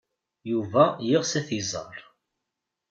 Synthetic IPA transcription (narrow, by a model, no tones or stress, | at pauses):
juvæjɪʁsæθizˤɑ̰ɾˤ